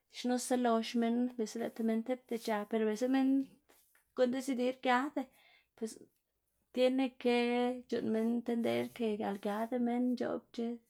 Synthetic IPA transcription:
ʃno˦sa˦lo˧ʃme˧nbe˨se˦la˧t̪e˧me˧nt̪e˦p̚d̪e˧t͡ʃa˧pe˧ɾo˧be˨se˦me˦n | ko˦nd̪e˧si˧d̪i˧˦ɾɡja˧˦d̪e˧ | pwe˨s | t̪je˦ne˧ke˧d͡ʒṵ˧nme˧nt̪e˧nd̪ḛ˧˦ɾke˧ɡja̰˨lɡʲja˧˦d̪e˧me˦nt͡ʃo̰˨bt͡ʃe˦

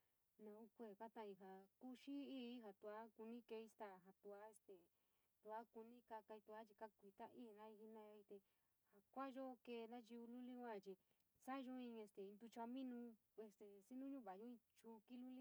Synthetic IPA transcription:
nã˧u˦kʷe˧˨ka˦t̪ã˧˨i˧ɦa˨ku˦ʃi˦i˦ɦa˨t̪u˧a˦ku˧nĩ˦ke˧i˧st̪a˦˨ɦa˧t̪u˧a˦e˧st̪e˨ | t̪u˧a˦ku˧nĩ˦ka˧ka˧i˧t̪u˧a˦t͡ʃi˧ka˦kʷi˧t̪a˦ʔi˦˨nã˧˦i˧hi˧nã˧˦˧i˧t̪e˧ | ha˨kʷa˦ʒo˦˧ke˧ðã˦t͡ʃi˧u˧lu˦lĩ˦ã˦˨t͡ʃi˧ | sa˦˧ʒo˦ĩ˧e˧st̪e˨i˧nd̪u˧t͡ʃa˧mĩ˦nũ˧ | e˧st̪e˨si˦nũ˦ɲũ˦βa˨ʒo˦ĩ˧t͡ʃu˧ki˦lu˦li˦

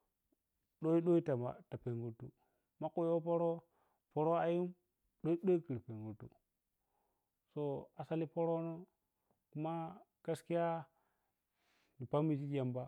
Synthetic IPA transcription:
ɗo˦i˦ɗo˦i˦ta˨ma̰˨ta˨pe˨ŋɡu˨tu˦ | ma˦ku˦˨jo˦po˦ɾo˦ | po˦ɾo˦a˦ju˦m | ɗo˦i˦ɗo˦i˦ki˨ɾpe˨ŋɡu˨tṵ˨ | so˦a˨sa˦li˦po˦ɾo˦no˦ | ku˦ma˦ka˦ski˦ja˦ | ni˨pa˦mi˨si˦d͡ʒa˨mba˦

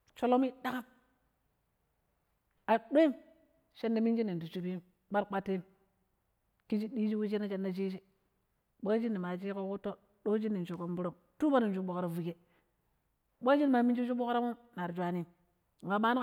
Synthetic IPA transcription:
t͡ʃo˦lo˦mi˦da˦ka˦m | a˨ɗo˦i˦m | ʃe˦nda˦mi˦nd͡ʒi˦ni˨n˨du˨t͡ʃu˨pi˦ | ɓa˦ɾk͡pa˦tːe˦ | ki˦d͡ʒi˦ɗi˦d͡ʒi˦wi˦t͡ʃi˦na˦t͡ʃe˦nda˦t͡ʃi˦t͡ʃi˦ | ɓa˦d͡ʒi˦nːi˨ma˨t͡ʃi˦ko˦ku˦tːo˦ | ɗo˦d͡ʒi˦nːi˨nt͡ʃo˨ko˦mbu˦ɾo˦m | tu˦ba˦ni˨n˨d͡ʒu˦bo˨kɾa˨vu˨ke˦ | ɓa˦d͡ʒi˦n˨ma˨mi˦nd͡ʒi˦t͡ʃu˦ɓo˦kɾa˦mo˦mna˨ɾd͡ʒʷa˨ni˦˨ | a˨ɓa˦n˦

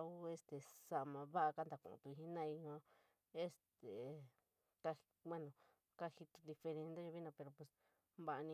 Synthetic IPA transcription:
u˦e˧˦st̪e˨sa˧mã˧βa˦ʔa˧ka˦nd̪a˨kṵ̃˧˨ṵ̃˧t̪u˧i˧i˧nã˦˧i˧ɲõ˧ | e˦st̪e˨ | t̪a˧i˧kʷẽ˦nõ˨ | ka˦hi˧t̪u̥˧d̪i˧fe˧ɾe˧nd̪a˦ʒo˧βi˦nã˧pe˧ɾo˧pwe˧˨s | βa˧ʔa˧nĩ˧

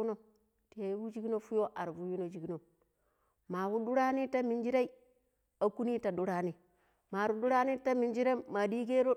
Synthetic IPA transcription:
no˦ | te˨˦vu˦d͡ʒi˦ɡno˦fu˦jo˦ʔa˨ɾvu˦ju˦no˨d͡ʒi˨ɡi˦no˨ | ma˨vu˦du˦ɾa˦ni˦ta˦mi˨nd͡ʒi˦ɾa˦i˦ | a˨ku˦ni˦ta˨du˦ɾa˦ni˦ | ma˨ɾu˨du˦ɾa˦ni˦ta˦mi˨nd͡ʒi˦ɾeː˦a˨di˦ɡe˦ɾo˦

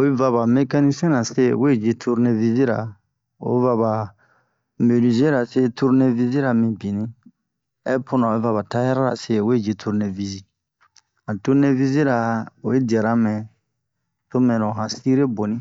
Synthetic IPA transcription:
o˨i˦va˧βa˨me˦ka˦ni˦sɛ̃˦nã˨se˦˨we˦˨d͡ʒe˧tʰu˦ɾnẽ˦vi˦zi˦ɾa̰˨ | o̰˨˦va˧βa˨ | me˨li˨ze˦ɾa˨se˦tu˦ɾnẽ˦vi˦zi˦ɾa˨mĩ˨bĩ˨nĩ˦ | ɛ˦pʰo˦nã˨˧e˦va˧βa˨ta˦ja˦ɾa˦ɾa̰˨se˦˨we˦˨d͡ʒe˨tʰu˧ɾnẽ˨vi˨zi˦ | ã˨tu˦ɾnẽ˦vi˦zi˦ɾa˨o˨e˦di˨ɛ˨ɾa˦mɛ̃˨ | to˦mɛ̃˨ɾɔ̃˨ɦã˨si˦ɾe˦bo˨nĩ˦

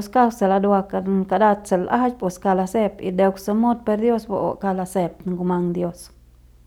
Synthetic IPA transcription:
ska˦kse˨la˧d̪a˧ka˧ka˧d̪a˧t̪se˨lʔa˦t͡ʃpo˨ska˧la˧se˧pḭ˧d̪e˧ksa˧mo˦d̪̚pe˧ɾd̪jo˦sbo̰˨o̰˨ka˧la˧se˧p̚ŋɡu˧ma˧ŋd̪jo˧s

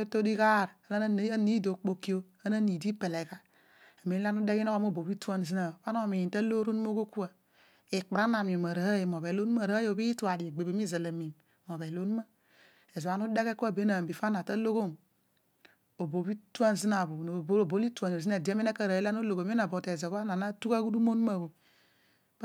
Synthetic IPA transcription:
e˦to˦di˦ka˦˨ɾa˨la˦n˦ni˦do˨k͡po˦˨ki˦o˦ | a˦na˦ni˨di˦pe˨le˨ka˦ | a˨mi˨˦la˦nu˦de˦ki˦no˦ko˦m˦o˦˨bo˨bi˦tu˦a˦n˨zi˦na˨fa˦no˦˨mi˨i˨ta˦lo˦ɾo˦n˦o˦ko˦ku˦a˨ | e˨k͡pa˨ɾa˦na˨mi˨ma˨ɾa˨a˦je˨mo˨be˨lo˦ma˦˨ɾo˨bi˦tu˦a˨di˨e˨ɡ͡be˨be˨˦mi˦˨za˨la˨mi˨m | mo˨βe˨lo˦n˦ma˦ | e˨zo˨wa˦nu˦da˦ke˦ku˦a˦˨be˦na˨mbi˨fa˦na˨ta˦lo˦ɡo˦˨n | o˨bo˨˦bi˦tu˦a˦n˨zi˦na˨bu˨bo˨bo˦li˦ta˨n˨zi˦na˨di˨e˦me˦ne˦ka˦˨ɾa˨˦i˦la˦no˦lo˨ɡo˨m˦e˦a˨bo˨te˨zo˨βa˦na˨na˦tu˦ka˦ɡu˦du˦mo˦n˦a˨bo˨˦

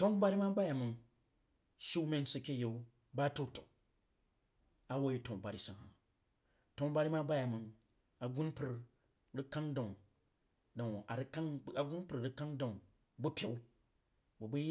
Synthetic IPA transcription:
to˦nba˦ɾi˦ma˦ba˦ja˨mə˨n | ʃi˦wme˦n˦si˨kʲe˦je˨u˦ | ba˦to˦to˨ | a˦wo˦ji˦to˨ŋ˨ba˨ɾi˨˦sa˨a̰˨ | to˦n˦ba˦ɾi˦ma˦ba˦ja˨mɨ˨n | a˨ɡu˦npɨ˨ɾ | ɾi˦ka˦ŋda˨ŋ | da˨ŋ˨a˨ɾka˦ŋ˦˨a˨ɡu˦npɨ˨ɾɾɨ˦ka˦ŋda˨ | bu˦pʲe˨˦ | bu˨bu˦

